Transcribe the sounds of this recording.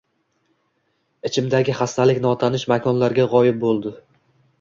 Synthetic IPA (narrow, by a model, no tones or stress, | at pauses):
ɪt͡ʃʰɪmd̪aɡʲɪχast̪ʰalɪkʲn̪ɒt̪ʰanɪʃmakʲʰɒnlaɾɡʲaʁɒjɪp̚bolˠd̪ɪ